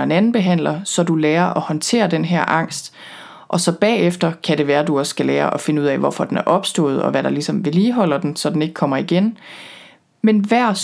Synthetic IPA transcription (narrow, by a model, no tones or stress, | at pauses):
e̝nænn̩b̥e̝ɦæn̰lɐsɒ̽d̥uleːɐʔɒ̽hɒ̽nt͡sʰe̝̰ːɐd̥enɦæɐ̰ʔɑ̈ŋ̰sd̥ | ʔɒ̽sɒ̽b̥ɛ̰ːefd̥ɐkʰæɾe̝ʋæːɐduɒ̽sɡ̥æleːɐʔɒ̽fe̝nəuð̰ˠɛ̰ʋɒfɒ̽d̥enæɐʔɒ̽b̥sd̥ɔ̰̽ːð̩ˠɒ̽ʋæɾ̥ɑ̈lisɒ̽mʋe̝liːɦɒ̽l̰ɐd̥ensɒ̽d̥ene̝ɡ̥̚kʰɒ̽m̰ɐiɡ̥en | menʋæɐ̰s